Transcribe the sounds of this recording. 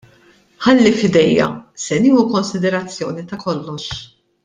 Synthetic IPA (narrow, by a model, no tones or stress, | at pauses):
ħɐlːifɪd̪ɛjːɐ̰sɛniːhukɔnsɪd̪ɛɾɐt͡sːjɔːnit̪ɐkɔlːɔʃ